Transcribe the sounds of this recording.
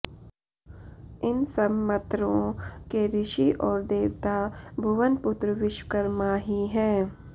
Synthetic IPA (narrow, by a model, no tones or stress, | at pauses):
ɪnsəbmət̪ɾõkebɪʃiʔɔːɾd̪eːʋt̪abʱʊʋənpʊt̪ɾəʋɪʃwkəɾmaːɦiɦɛ̃ː